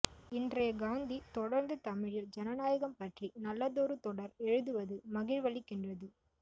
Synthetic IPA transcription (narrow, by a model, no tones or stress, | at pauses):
ɪndrɐjɐɡaːnd̪it̪ɔɽɐɾnd̪ɯt̪ɐmɪɻɪld͡ʒɛnɐnaːjɐɣɐmpɐʈrinɐlːɐðoːɾɯt̪ɔɽɐɾɛɻɯðɯʋɐðɯmɐɣɪɻʋɐɭɪkːɪndrɐðɯ